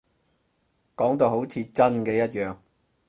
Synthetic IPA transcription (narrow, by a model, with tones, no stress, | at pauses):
kɔː˨˥ŋt̪o˧wɦo˨˥wt͡sʰiː˧t͡sɐ˥nkɛː˧jɐ˥t̚jœː˨ŋ